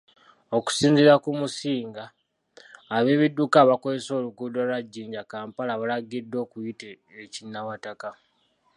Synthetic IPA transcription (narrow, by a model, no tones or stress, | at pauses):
o̞ku̥siːnziɾakumusiːŋɡaː | βe̞ːβidːukaβakozeso̞ːluɡudwalwaɟːiːɲɟakaːmpalaβalaɡidːo̞ːkujite | ecinːawataka